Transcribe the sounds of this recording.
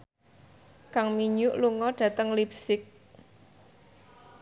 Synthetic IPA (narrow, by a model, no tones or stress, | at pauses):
kaŋmiɲʊʔluŋɔɖ̥ä̤t̪əŋlipsɪk̚